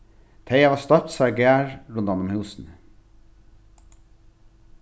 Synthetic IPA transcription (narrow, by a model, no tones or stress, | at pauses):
t̪ʰeɪɑʋɑːst̪œt̪sɑɾɡɛæːɹɹʊʉnd̪ɑnʊmhʉːsn̩